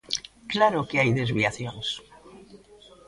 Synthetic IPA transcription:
klaɾokeajðezβiaθjõns

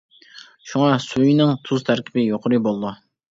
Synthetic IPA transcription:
ʃuŋɑsujnɪŋt̪ʰuz̥t̪ʰæɾkʲʰɪ̥bɪjoqʰɾɨbolˠd̪u

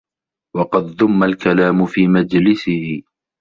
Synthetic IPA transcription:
wɑqɑd̪ðʊmːalkalaːmʊfiːmad͡ʒlɪsɪhɪ

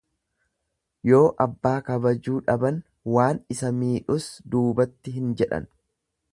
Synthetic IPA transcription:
jo̞ːʔɐbːaːkɐbɐd͡ʒuːᶑɐbɐn | waːnɪsɐmiːᶑʊsd̪uːbɐt̪ːɪɦɪnd͡ʒɛᶑɐ̰n

